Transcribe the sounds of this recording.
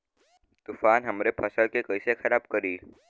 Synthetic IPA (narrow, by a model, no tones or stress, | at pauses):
t̪ufanɦəmɾepʰəsəɭkekəjsekʰəɾab̚kəɾiːl